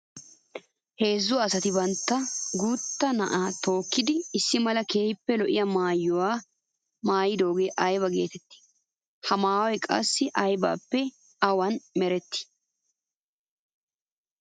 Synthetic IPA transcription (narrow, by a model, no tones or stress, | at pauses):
he̞ːzːʊːsɐt̪ɪbɐnt̪ːɐɡuːt̪ːɐnɐʔaːt̪o̞ːkːɪd̪ɪɪsːɪmɐlɐkeːjpːɛlɔʔɪjɐmaːjːʊwaː | maːjɪd̪o̞ːɡeːʔɐjbɐɡe̞̰ːt̪ɛt̪ːɪ̥ | hɐmaːwɛkʼɐ̰sːɪʔɐjba̰ːpːɛ | ɐwɐnmɛɾɛt̪ːɪ̥